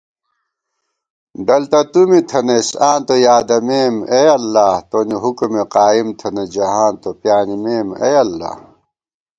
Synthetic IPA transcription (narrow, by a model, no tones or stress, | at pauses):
d̪ɐlt̪ɐt̪umit̪ʰɐnesãːnt̪ojaːd̪ɐmeːmejɐlːaːt̪oːniɦukumeqaːimt̪ʰɐned͡ʑɐɦãːnt̪opjaːnimeːmḛjɐlːa̰ː